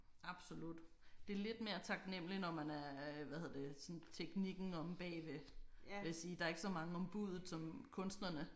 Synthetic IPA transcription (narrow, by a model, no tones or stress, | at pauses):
ɑ̈b̥so̝lud̥ | d̥e̝ɐle̝d̥me̝ːɐt͡sʰɑ̈ɡ̥nem̰linɒmænæɐʋæhe̝ð̞ˠɐ̰d̥esɒ̽nt͡sʰeɡ̥niɡ̥n̩ɒ̽mb̥ɛ̰ːʋe̝ʋe̝jæsiːd̥ɑ̈ɐe̝ɡ̥ə̥sɒ̽mɑ̈ŋəɒ̽mb̥uð̞ˠð̩ˠsɒ̽mkʰɔ̽nsd̥nɐnə